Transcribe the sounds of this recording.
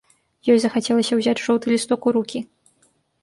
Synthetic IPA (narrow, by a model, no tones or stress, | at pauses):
jɔjzɐxat͡sʲɛlˠɐsʲɐwzʲat͡sʲʐɔwt̪ɨlʲist̪ɔkuɾukʲi